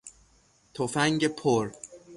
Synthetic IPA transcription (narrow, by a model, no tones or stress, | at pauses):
t̪ʰofæŋɟepʰoɾ